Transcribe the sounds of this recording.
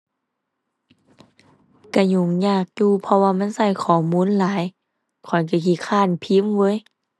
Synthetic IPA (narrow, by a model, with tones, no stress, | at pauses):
ka˧˩ɲu˧˩ŋɲaː˧˩k̚juː˧pʰɔ˧waː˧ma˧˥˨nsa˧˩jkʰɔː˨˩˦muː˧˥˨nlaː˨˦j | kʰɔ˨˩jka˧˩ki˧˩kʰaː˧˩˨npʰi˧˦˥mwɤː˧˥˨j